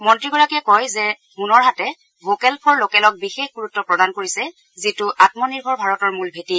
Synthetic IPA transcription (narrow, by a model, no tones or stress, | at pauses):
mɔntɹiɡɔɹakiɛkɔjzɛ | hunɔɹɦatɛ | vokɛlpʰɔɹlokɛlɔk̚bixexɡuɹutːɔpɹɔdankoɹisɛ | zitʊʔatmɔniɹbʱɔɹbʱaɹɔtɔɹmulbʱeti